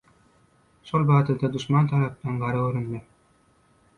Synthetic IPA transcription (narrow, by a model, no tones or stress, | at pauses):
ʃolˠbɑːd̪ɯd̪ɑd̪uʃmɑnt̪ʰɑɾɑp̚t̪ɑnɡɑɾɯɡøɾynd̪e